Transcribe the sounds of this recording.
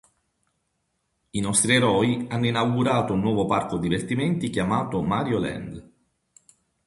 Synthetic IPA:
inɔst̪ɾieɾɔːianːoinawɡuɾaːt̪ounːwɔːvoparkod̪ivert̪imɛnt̪ikjamaːt̪omaːɾjolɛ̰nd̪

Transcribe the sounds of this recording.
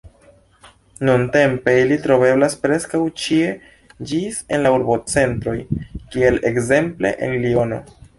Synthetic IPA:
nunte̞mpe̞ilitɾo̞ve̞blaspɾe̞skawt͡ʃie̞ | d͡ʒise̞nlauɾbo̞t͡se̞ntɾo̞jkie̞lekze̞mple̞̰ʔḛnlio̞no̞̰

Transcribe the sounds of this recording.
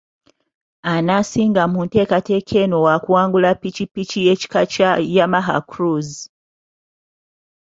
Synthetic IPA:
anasiːŋɡamunte̞ːkate̞kʰe̞no̞wakuwaːŋɡulapicipicije̞ci̥kat͡ʃajamaɦa̰kɾuzi

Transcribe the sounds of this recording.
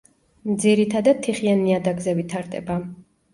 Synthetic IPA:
md̪ziɾit̪ʰad̪ad̪̚t̪ʰːiχianiad̪aɡzɛvit̪ʰaɾd̪ʼɛ̰ba

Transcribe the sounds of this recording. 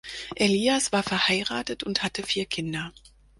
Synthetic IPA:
ʔeliːasv̥aːɐfɛɐhaɪʁa̰ːtətʊnthatəfiːɐkʰɪndɐ

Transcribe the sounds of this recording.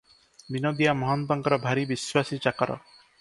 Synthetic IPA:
binɔd̪ijamɔɦɔnt̪ɔŋkɔɾɔbʱaɾibiswasit͡ʃakɔɾɔ̰

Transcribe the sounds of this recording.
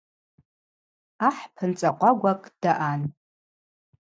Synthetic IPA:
aħpʰɨnt͡sʼaqʷʼaɡʷakʼd̥aʔan

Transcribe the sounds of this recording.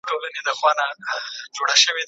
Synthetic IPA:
ʈolaned̪əxwɑnad͡ʒoɽaʃəwe

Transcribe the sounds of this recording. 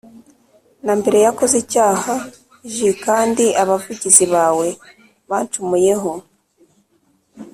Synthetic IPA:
nambe̞ɾe̞jako̞zicaːha | ʒikaːndiaβavuɟiziβaːwe̞ | βaːnt͡ʃumuje̞ɦo̞

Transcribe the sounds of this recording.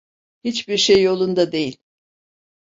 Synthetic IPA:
hit͡ʃbiɾʃejːo̞lˠund̪ad̪e̞jilʲ

